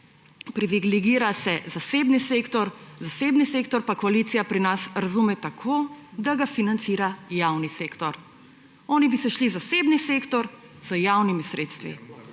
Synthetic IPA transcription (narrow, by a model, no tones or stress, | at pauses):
pɾiʋiɡliɡiːɾasɛzaseːbniseːkt̪ɔɾzaseːbniseːkt̪ɔɾpakɔaliːt̪sijapɾinasɾazumɛt̪akʰoːd̪aɡafinant̪siːɾajawniseːkt̪ɔɾ | ɔːnibisɛʃlizasebniseːkt̪ɔɾ | z̥əjawnimisɾeːt̪st̪ʋḭ